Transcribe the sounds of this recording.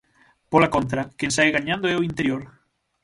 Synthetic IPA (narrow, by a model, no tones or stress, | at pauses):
polakont̪ɾɐkẽnsajɣaɲãnd̪oɛoint̪eɾjoɾ